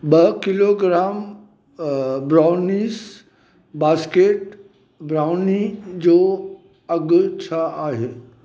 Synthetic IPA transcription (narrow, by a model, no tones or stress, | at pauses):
ɓɐkɪloɡɾaːm | bɾaːʊnis | baːskeːʈ | bɾaːʊnid͡ʑoː | ɐɡt͡ɕʰaaːɦeː